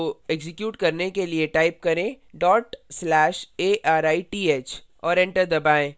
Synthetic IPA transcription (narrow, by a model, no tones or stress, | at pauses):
oeɡzɪkjuːʈkɐɾnekelieʈaːɪp̚kɐɾẽː | ɖɔːʈslɛːʃeːʔaːɾaːiʈiːeːt͡ʃʰ | ɔːɾɛ̃ɳʈəɾd̪ɐbaːẽː